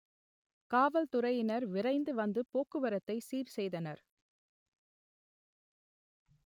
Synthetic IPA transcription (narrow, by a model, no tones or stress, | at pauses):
kaːʋɐlt̪ʊɾɐjɪnɐɾʋɪɾɐɪnd̪ɯʋɐnd̪ɯpoːkɯʋɐɾɐt̪ːɐɪsiːɾsɛjðɐnɐɾ